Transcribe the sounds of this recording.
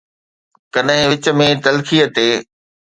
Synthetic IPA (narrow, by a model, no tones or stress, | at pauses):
kɐɗɦɪ̃ʋɪt͡ɕə̆mẽt̪ɐlkiət̪eː